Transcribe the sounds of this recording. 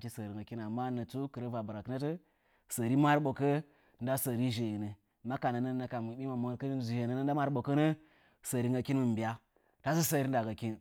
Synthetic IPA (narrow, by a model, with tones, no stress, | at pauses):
ki˦sə˨ɾi˨ŋɡa˨ki˦na˨ma˦nə˨t͡su˦kɨ˨ɾə˦va˨bə˨ɾa˨kna˦tə˦ | sə˨ɾi˦ma˦ɾɓo˨kə˦˨ | nda˦sə˨ɾi˦ʒe˨ji˨nə˨ | ma˦ka˨na˨nə˦na˨ka˨m˨ɓi˦ma˨mo˨ɾkə˦n˦zu˨je˨nə˨nə˦n˦da˦ma˦ɾɓo˨kə˦nə˦ | sə˨ɾi˦ŋɡa˨ki˦nmɨ˨m˨bi˨ja˦ | ta˦zu˦sə˦ɾi˦n˦da˨ɡa˨ki˦n